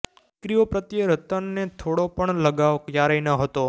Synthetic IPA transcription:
kɾijopɾət̪jəɾət̪ənːet̪ʰoɽopəɳləɡaʋkjaɾəinəɦət̪o

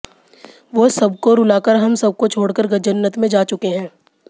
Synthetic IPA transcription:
ʋosɐbkoɾʊlaːkəɾɦɐmsɐb̚kot͡ʃʰoːɽkəɾɡɐd͡ʒənːət̪mẽd͡ʒaːt͡ʃʊkeɦɛ̃ː

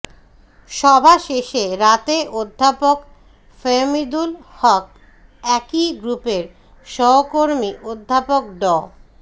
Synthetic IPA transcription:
ʃɔbʱaʃeʃeɾat̪eʔod̪ʱːapok | femid̪ulhɔk̚ | ɛkiɡɾupeɾ | ʃɔɦokoɾmiʔod̪ʱːapok̚ɖɔ

